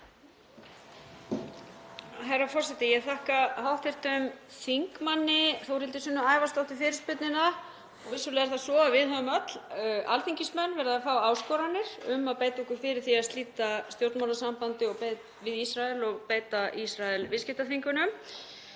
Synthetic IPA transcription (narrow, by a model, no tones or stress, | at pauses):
ɦɛrafɔr̥sɛt̪ɪjɛɣθahkaɦawht̪ɪr̥t̪ʏmθiŋkmanːɪθowɾɪlt̪ɪsʏnːʏaːjvast̪ɔwt̪ɪfɪːɾɪspʏt̪nɪna | ɔɣvɪsʏlɛɣaɾθasɔːðavɪðɦœvʏmœt̪l̥ʔalθiŋcɪsmœnːvɛːɾðaafaːwaːwskɔːɾanːɪɾ̥ʏmaðpeːjt̪aɛhkʏɾfɪːɾɪɾ̥θiaðst̪iːt̪ast̪jowɾt̪mawnasampant̪ɪɔɣpet | vɪðisɾaɛlɔɣpeːjt̪aʔisɾaɛlvɪscɪht̪aθiŋkʏnʏm